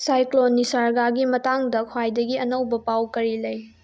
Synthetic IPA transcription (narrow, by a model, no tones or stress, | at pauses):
sajklonisaɾɡaɡimɐtaŋdɐkʰwajdɐɡiɐnɐwbɐpawkɐɾilɐj